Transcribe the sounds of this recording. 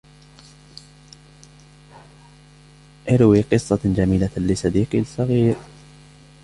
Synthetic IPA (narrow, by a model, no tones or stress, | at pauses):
ʔɪɾwiːqɨsˤːɑd͡ʒamiːlalɪsɑd̪iːqilsˤɑɣiːɾ